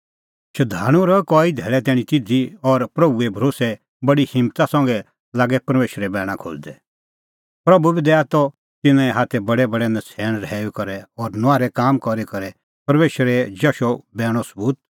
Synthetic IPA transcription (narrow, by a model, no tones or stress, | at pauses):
ʃɐd̪ʱaːɽ̃ũɾɔkɔːid̪ʱɛːɭɛt̪ɛːɽ̃ĩt̪ɪd͡zʱiɔɾpɾɐbuebʱɐɾoːsɛ | bɐɽihɪ̃mt̪asɐ̃ŋɡɛ | laːɡɛpɐɾmeːʃɾɛbɛːɽ̃ãkʰo̰ːd͡ʒd̪ɛ | pɾɐbubid̪ɛat̪ɔ | t̪ɪnãĩɦaːt̪ʰɛbɐɽɛbɐɽɛnɐt͡sʰɛːɽ̃ɾɛːukɐɾɛɔːɾnʊaːɾɛkaːmkɔɾekɐɾɛ | pɐɾmeːʃɾɛd͡ʒɐʃɔbɛːɽ̃ɔsəbuːt̪̚